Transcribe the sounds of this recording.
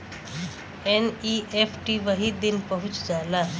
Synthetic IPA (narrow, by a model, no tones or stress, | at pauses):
eniʔefʰʈiʋəɦid̪inpəɦʊ̃t͡ʃd͡ʒaːla